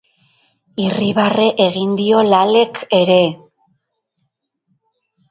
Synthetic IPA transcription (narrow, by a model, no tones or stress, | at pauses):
iriβare̞ʔeɣind̪io̞lale̞kʰe̞ɾe̞